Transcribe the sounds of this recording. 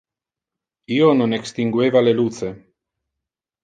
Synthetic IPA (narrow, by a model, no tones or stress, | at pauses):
iononekst̪iŋɡwevalelut̪se